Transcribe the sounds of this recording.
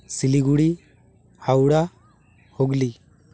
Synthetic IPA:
siliɡuɽi | hawɽa | hoɡli

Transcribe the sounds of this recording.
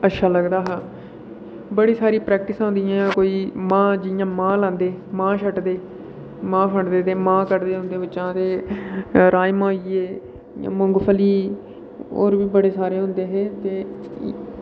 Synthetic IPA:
ətːʃʰaːləɡd̪aːɦãː | bəɽiːsaːɾiːpɾɛːk̚ʈɪsãːɦʊ̃nd̪ijãːkoːiːmãːd͡ʒɪjãːmãːlãːnd̪eːmãːʃʰəʈd̪eː | mãːpʰəɳd̪eːt̪eːmãːkəɾd̪eːʊ̃nd̪eːbɪtːʃãːt̪eː | ɾaːjmãːiːeː | ã̰mʊŋɡpʰəliː | o̰ːɾʋiːbəɽeːsaːɾeːɦʊ̃nd̪eːɦeːt̪eː

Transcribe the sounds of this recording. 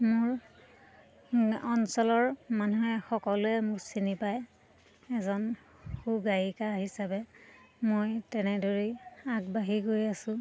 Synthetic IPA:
mʊɹ | ɔnsɔlɔɹmanuɦɛxɔkɔlʊɛmʊksinipaj | ɛzɔnxuɡajikaɦisabɛ | mojtɛnɛdoɹiaɡ̚baɦiɡojasʊ̃

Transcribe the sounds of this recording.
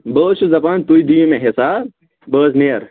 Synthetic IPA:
bəːʃuzɐpaːnt̪ujd̪imeɦesaː | bəːzneːɐɾ

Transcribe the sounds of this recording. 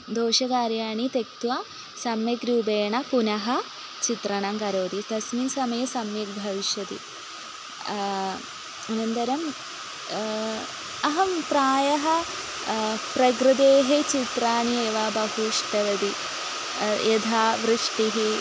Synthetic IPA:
d̪oːʃɐkaːɾjaːɳit̪ek̚t̪ʋa | sɐmjɐɡɾuːbeːɳɐpunɐɦɐ̆ | t͡ʃit̪ɾɐɳɐmkɐɾoːd̪it̪ɐsminsɐmɐjɐsɐmjik̚bʱɐʋiʃjɐt̪ḭ | ɐnɐnd̪ɐɾɐm | ɐɦɐmpɾaːjɐɦɐ̆ | pɾɐɡɾɨd̪eːɦet͡ʃit̪ɾaːnieːʋaːbɐɦuʂʈɐʋɐd̪i | jed̪ʱaːʋɾɨʂʈiɦi

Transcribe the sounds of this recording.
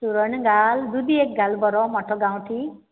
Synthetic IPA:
suɾəɳɡaːld̪ud̪iek̚ɡalbɔɾɔmɔʈʰɔɡãw̃ʈʰi

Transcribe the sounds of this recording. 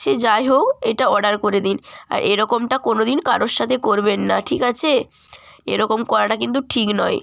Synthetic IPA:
ʃed͡ʑajɦokeʈaɔɾɖaɾkoɾed̪ina̰ɾʔeɾɔkomʈakonod̪inkaɾoɾʃːat̪ʰekoɾbenːaʈʰikat͡ɕʰe | ḛɾɔkomkɔɾaʈakint̪̬uʈʰiknɔj

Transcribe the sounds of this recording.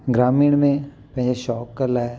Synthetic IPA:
ɡɾaːmiːɽ̃mẽ | pɛ̃ɦɪ̃d͡ʒeʃɔːkːəɾlaːe

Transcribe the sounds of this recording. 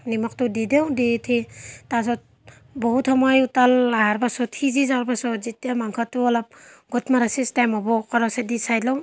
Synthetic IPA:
nimak̚tudidewditʰitas̬ɔt̚ | bɔhutʰɔmajutalaaɾbasɔtʰizizaɾbasɔzitiamaŋkʰatuɔlap̚ɡɔtmaɾasistajmɔbɔkɔɾasedisajlɔw

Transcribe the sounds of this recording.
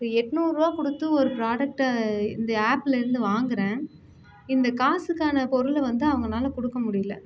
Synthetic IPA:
ɯɛʈnuːɾɯʋaːkʊɽɯt̪ːɯɔɾɯpɾaːɽɐk̚ʈɪ̰nd̪ɐaːplɪɾɯnd̪ɯʋaːŋɡɪɾẽː | ɪnd̪ɐkaːsɯkːaːnɐpɔɾɯlʋɐnd̪ɯɐʋɐŋɡɐnaːlɐkʊɽɯkːɐmʊɽɪjɪlɐ̰

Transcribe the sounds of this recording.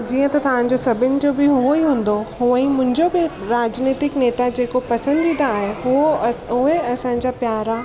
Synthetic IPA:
d͡ʑiːə̃t̪ɐt̪ɐʋãːɲ̆d͡ʑosɐbʱɪnɪ̆d͡ʑobɪɦuoiɦũːn̆d̪ohuə̃imʊ̃ɦɪ̃ɲd͡ʑobɪɾaːd͡ʑniːt̪ɪkneːt̪ad͡ʑeːkopɐsə̃nd̪ĩːnd̪aːɦeɦuoɦueɐsãːɲ̆d͡ʑapjaːɾa

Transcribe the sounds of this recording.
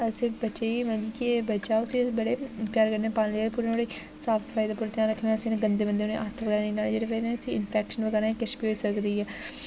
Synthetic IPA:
əsebəʃeːmɛ̃d͡ʒiːkibəːt͡ʃaːʊsiːbəɽeːpjaːɾkəɾneːpaːnled͡ʒeːepuːɾeoɽe | saːpʰsə̥faːid̪aːpuːɾet̪jãːɾəkʰnːsenẽɡənd̪eːbənd̪eːonḛ̃ːʔat̪ʰʋəɡɛːɾaːneːnaːed͡ʒeːɽeːʋenɛʊsiːɪnpʰɛːkʃənʋəɡɛːɾãːkɪʃbiːɦoːiːsəkd̪iːɛː

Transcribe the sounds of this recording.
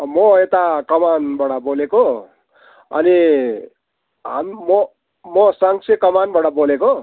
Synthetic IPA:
mʌet̪akʌmanbaɽaboleko | ʌ̰ni | ɦammʌ | mʌsaŋt͡sʰekʌmanbaɽʌboleko

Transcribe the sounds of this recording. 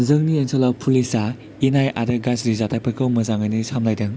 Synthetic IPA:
zɯŋniensɔlawpʰulisa | inajʔa̰ɾɯɡasɾizatʰapʰɐkɯwmɐzaŋajnɯsʰamlajdɐŋ

